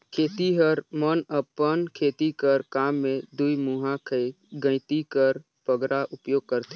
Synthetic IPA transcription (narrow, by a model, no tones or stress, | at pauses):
kʰeːt̪iɦəɾmənəpənkʰeːt̪ikəɾkaːmːẽd̪uimuɦãkʰəɪ | ɡə̃ɪt̪ikəɾ | pəɡɾaʔʊpjoːɡ̚kəɾt̪e